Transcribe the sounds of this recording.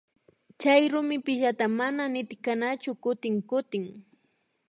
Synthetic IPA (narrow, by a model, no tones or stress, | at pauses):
t͡ʃajɾʊmɪpɪʒat̪amananɪt̪ɪkanat͡ʃʊkʊt̪ɪŋkʊt̪ɪŋ